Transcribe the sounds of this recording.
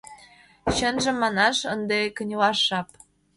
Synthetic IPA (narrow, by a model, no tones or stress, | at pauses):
ɕənʒə̆mːɑnɑʃə̆nd̪ekə̆nʲlɑʃːɑp̚